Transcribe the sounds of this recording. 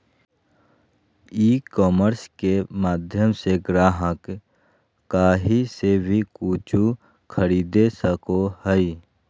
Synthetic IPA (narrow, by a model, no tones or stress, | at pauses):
iːkɔːməɾskemaːd̪ʱjəmseɡɾaːɦəkː | aːɦisebʱikuːt͡ʃu | kʰəɾiːd̪esəkohəi